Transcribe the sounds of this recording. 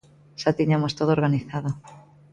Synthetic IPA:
ʃat̪iɲamost̪oðoːɾɣaniθað̞o

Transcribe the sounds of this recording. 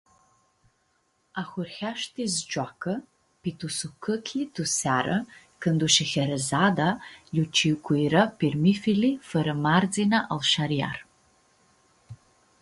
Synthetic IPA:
axʷʊrxʲaʃtʰizd͡ʒʼakʰɨ | pitʰusukʰɨkʰitʰusaɾɨ̰ | kʰɨnduʃɪxʲɐɾɐzaːdajut͡ʃʰikʷʰujɾɐpʰirmifilifɐɾɨmard͡zinaʔalʃaɾija̰r

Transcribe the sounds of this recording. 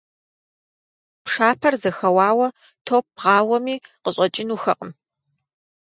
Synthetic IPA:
pʂaːpʰɐrzɐxɐwɑːwɐ | tʰoːp̚ʁɑːwɐmiːqəɕʼɐt͡ʃʼɪnuːxɐqʼəm

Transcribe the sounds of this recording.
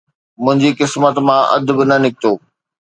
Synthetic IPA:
mʊ̃ɦɪ̃ɲd͡ʑikɪsmət̪mãʔɐ̰d̪ʱbɪnɐnɪkɪt̪oː

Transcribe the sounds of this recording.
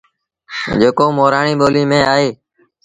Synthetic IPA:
d͡ʒeːkoːmoːɾaːɳiːɓoːliːmẽːaːɦeː

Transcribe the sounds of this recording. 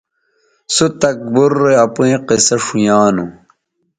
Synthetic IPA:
sut̪ɐk̚buɾːeɐpuẽqesɐʂujaːnu

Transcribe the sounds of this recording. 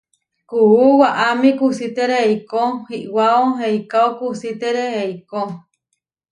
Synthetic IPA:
kuuwaʔamikusit̪eɾeeikohiʔwaoɦeikaokusit̪eɾeheiko

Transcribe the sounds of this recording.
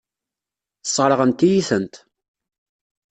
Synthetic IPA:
θə̥sˤːəɾˤəʁənt̪ːijiθənt̪

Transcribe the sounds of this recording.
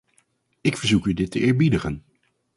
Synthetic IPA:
ɪkfəɹzukydɪtəʔɪːɹbidəχən

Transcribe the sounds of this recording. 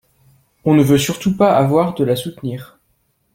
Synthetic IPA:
ɔ̃nəvøsyʁt̪upaavwaʁd̪əlasut̪niːʁ

